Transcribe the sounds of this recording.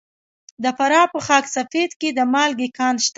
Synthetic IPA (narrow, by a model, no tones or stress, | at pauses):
d̪əfaɾɑpəxɑksafed̪ked̪əmɑlɡikɑnʃt̪